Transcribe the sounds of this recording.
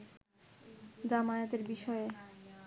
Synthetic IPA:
d͡ʑamajot̪eɾbiʃɔe

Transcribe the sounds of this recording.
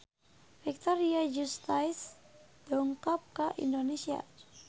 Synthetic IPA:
fik̚t̪ɔɾiad͡ʒust̪ajsd̥ɔŋkɔp̚kəʔḭndonesia̰

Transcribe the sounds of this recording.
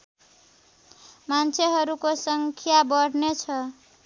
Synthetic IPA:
mant͡sʰeɦʌɾukosʌŋkʰjabʌɽnet͡sʰʌ

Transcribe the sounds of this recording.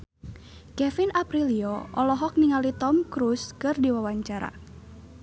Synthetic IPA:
kɛfinapɾiliɔʔɔlɔɦɔk̚niŋalit̪ɔmkɾuskɨrdiwawaɲt͡ʃaɾa̰

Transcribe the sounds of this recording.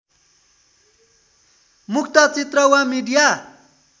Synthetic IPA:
muk̚ʰt̪ʌt͡sit̪rʌwãmiɖija

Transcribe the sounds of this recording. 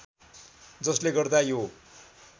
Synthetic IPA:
d͡zʌsleɡʌrd̪ajo

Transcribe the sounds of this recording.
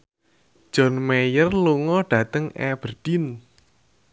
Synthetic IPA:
d̥ʒ̥ɔ̤nmejərluŋɔɖ̥ä̤t̪əŋɛ̰b̥ərd̥in

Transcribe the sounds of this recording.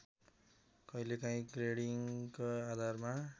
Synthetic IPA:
kʌjlekaĩkreɽiŋkoad̪ʱarma

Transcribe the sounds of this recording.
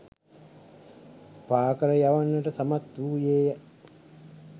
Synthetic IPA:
paːkəɾəjaʋanːəʈəsamat̪d̪uːjeːjə

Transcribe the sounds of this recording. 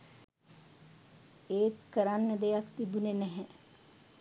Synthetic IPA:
eːt̪kəɾanːəd̪ejakt̪ibunenɛɦɛ

